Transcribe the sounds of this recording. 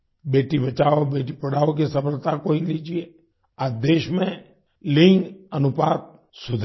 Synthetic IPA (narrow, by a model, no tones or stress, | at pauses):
beːʈibət͡ʃaːobeːʈipɐɽaːok̬esəpəɾt̪akoɦilid͡ʒie | ad̪eːʃmẽ | lɪ̃ŋɡənʊpaːt̪̚ | sʊd̪ʱ